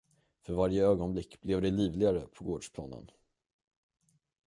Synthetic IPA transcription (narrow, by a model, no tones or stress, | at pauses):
fœɾvaɾjəøːɡɔnblɪkːblɛvd̪ɛliːvlɪɡaɾəpʰɔɡoːɖʂpʰlɑ̰ːnə̰n